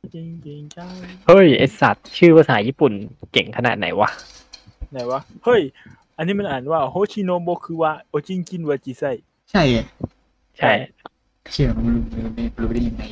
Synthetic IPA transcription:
ke˧ŋke˨˩ŋt͡ɕa˧˥˩hɤ˧˥˩jʔe˨˧˩sa˨˩t̪̚t͡ɕʰɯː˥˩pʰaː˧saː˩˦jiː˦˥˩pu˨˩nke˨˩ŋkʰa˧na̰˨˩t̪̚na̰˩˦jwa˦˥ | na˨˩˦jwa˧˥hɤ˧˥˩j | ʔa˧nːiː˦˥ma˧nʔaː˨˩˦nwaː˧˥˩ʔhoː˦˥˩t͡ɕʰiː˧noː˧˥mbo˧˥kʰɯː˧waː˧˩ʔoː˧t͡ɕi˧˩˨ŋki˧˥˩nwaː˧t͡ɕiː˧˩sa˧˩j | t͡ɕʰa˥˩j | t͡ɕʰa˥˩j | t͡ɕʰi˧˩˨u˧˦˧luː˧ma˥˩luː˦pa˧˩de˥˩ja˨ŋa˧˦j

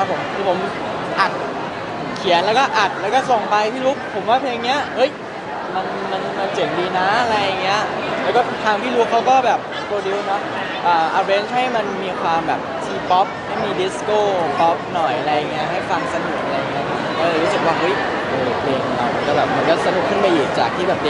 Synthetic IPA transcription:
a˦˥pʰːo˨˩˦mkʰɯː˧˩pʰo˩˦m | ʔa˨˩t̪̚ | kʰi˨˩˦ənlɛː˦˥wkɔː˥˩ʔa˨˩t̪̚lɛ˦˥wkɔː˥˩so˨˩ŋpa˧jt̪ʰiː˥˩lu˦˥k̚pʰːo˩˦mwaː˥˩pʰeː˧ŋːi˦˥ɐhɤ˦˥j | ma˧n | ma˧nma˧nt͡ɕɤː˨˩p̚diː˧na˦˥ʔa˧ɾa˧jːa˨˩ŋːi˦˥ɐ | lɛ˦˥wkɔː˥˩t̪ʰaː˧ŋt̪ʰiː˥˩ɾu˦˥kʰa˦˥wkɔː˥˩bɛː˨˩p̚skoː˧di˧wnɔ˦˥ | ʔɤː˨˩ʔa˧ɾeː˦˧˥nt͡ɕha˥˩jma˧nmiː˧kʰwaː˧mbɛː˨˩p̚t̪ʰiː˧pɔ˦˥p̚ha˥˩jmiː˧di˨˦˥skoː˥˩pɔ˦˥p̚nɔ˨˩jʔa˨˧ɾa˧jːa˨˩ŋːi˦˥ɐɦa˥˩jfa˧ŋsa˧nu˨˩k̚ʔa˨ɾa˧ja˨ŋːi˦˥ɐ˧˩ʔɔː˧ɾu˦˥sɯ˨˩k̚waː˥˩ɦɤ˦˥j | ʔɤː˧pʰleː˧ŋ˧la˧˩wma˧nkɔː˥˩bɛː˨˩p̚ma˧nkɔ˥˩sa˧nu˨˩kʰːɯ˥˩npa˧jʔiː˨˩k̚t͡ɕa̰ː˨˩k̚t̪ʰiː˥˩bɛː˨˩˧

